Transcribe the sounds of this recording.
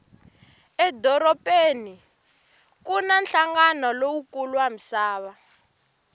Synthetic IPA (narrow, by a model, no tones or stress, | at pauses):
ɛdɔɾɔpʼeni | kunanɬaŋɡanɔlowukuluwam̩saːβa